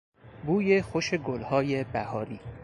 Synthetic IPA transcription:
buːjexoʃeɡolhɒːjebæhɒːɾiː

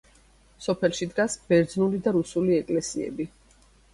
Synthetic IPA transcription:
sɔpʰɛlˠʃid̪ɡasb̥ɛɾd̪znulid̪aɾusuliɛkʼlɛsiɛ̰bi

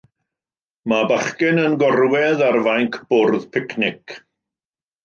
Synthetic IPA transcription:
mabaχkɪnənɡɔrwɛðarvajŋkʰb̥ʊrðpʰɪkʰnɪk

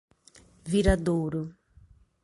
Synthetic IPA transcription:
viɾad̪oɾʊ

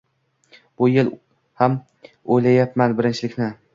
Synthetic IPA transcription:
b̥ʊjel | ham | ojlajap̚manbɪɾɪnt͡ʃʰɪlɪkʲnɪ

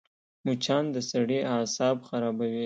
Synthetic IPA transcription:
mut͡ʃɑnd̪əsaɽiʔɑsɑbxaɾɑbawi

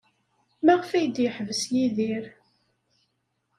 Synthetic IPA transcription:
mæʁəfæjəd̪jəħəvəsjiðiɾ

